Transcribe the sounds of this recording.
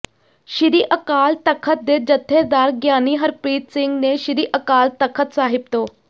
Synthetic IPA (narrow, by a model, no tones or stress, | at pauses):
ʃɪɾiːʔəkaːlt̪əkʰət̪̚d̪eːd͡ʒət̪ʰːeːd̪aːɾɡjaːniːɦəɾpɾiːt̪sɪŋɡneːʃɪɾiːʔəkaːlt̪əkʰət̪saːɦɪp̚t̪oː